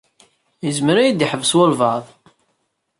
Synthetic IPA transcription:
jəzməɾæjid̪iħəvswolvɑðˤ

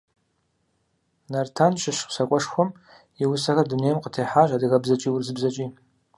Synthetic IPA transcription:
nartʰanʃɪʃqʷsakʷʼɔʂxʷɔm | iwʊsaxɐrdunejmqətʰejħaʒʼadɨɣɐbzɐt͡ʃʼiːwurzɨbzɐt͡ʃʼiː

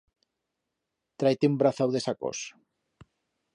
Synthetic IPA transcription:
t̪ɾajt̪eumbɾaθawðesako̰s

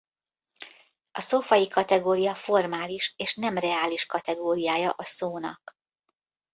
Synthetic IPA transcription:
ʔɒsofɒjikɒt̪ɛɡoːɾijɒfo̞rmaːliʃeːʃnɛmrɛaːliʃkɒt̪ɛɡoːɾijaːjɒʔɒsoːnɒ̰k

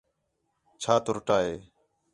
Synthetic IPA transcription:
t͡ʃʰaːt̪oɾʊʈaːɦeː

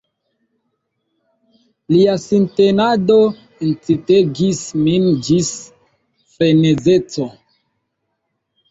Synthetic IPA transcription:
liasintenado̞ | ent͡siteɡismind͡ʒis | fenezet͡so

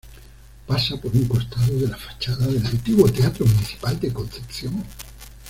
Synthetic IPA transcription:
pasapo̞ɾuŋko̞st̪aðoðe̞lafḁt͡ʃaðaðe̞lalt̪iβo̞t̪eat̪ɾomuniθi̥pald̪e̞kõ̞nθe̞pθjoŋ

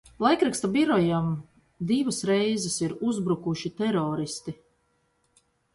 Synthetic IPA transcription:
lˠajkɾakst̪abiɾɔjam | d̪ivɐsɾɛjzɛsiɾuzbɾukuʃit̪ɛɾɔːɾist̪i

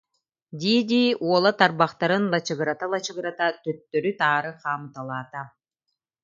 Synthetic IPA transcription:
d̪ʲiːd̪ʲiːuɔlˠat̪aɾbaχt̪aɾɯnlˠat͡ɕɯɡɯɾat̪alˠat͡ɕɯɡɯɾat̪at̪œt̪ːœɾyt̪aːɾɯχaːmɯt̪alˠaːt̪a

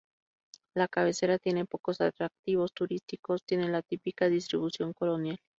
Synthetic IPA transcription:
lakaβ̞e̞se̞ɾat̪je̞ne̞po̞ko̞sat̪ɾak̚t̪iβ̞o̞st̪uɾist̪iko̞st̪je̞ne̞lat̪ipikaðist̪ɾiβ̞usjo̞ŋko̞lo̞njal

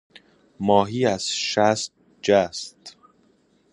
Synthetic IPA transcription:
mɒːɦiːæz̥ʃæst̪̚ | d͡ʒæst̪

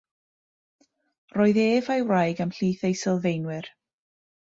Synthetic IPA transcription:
roːɨðeːvajwrajɡəmɬiːθejsɪlˠvejnwɪr

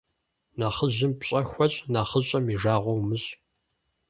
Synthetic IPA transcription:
naːχəʑɪmpɕʼɐxʷɔɕʼnaːχəɕʼɐmiʒaːʁʷɔwmɨɕʼ

